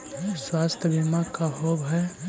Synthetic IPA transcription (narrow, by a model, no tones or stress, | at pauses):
swaːst̪ʰjəbʱimakaɦoːbɦɛ